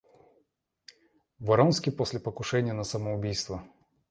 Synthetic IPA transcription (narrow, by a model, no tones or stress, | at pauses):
vɐɾonskʲɪjposʲlʲɪpəkʊʂɛnʲɪjənəsəməʊbʲijst̪və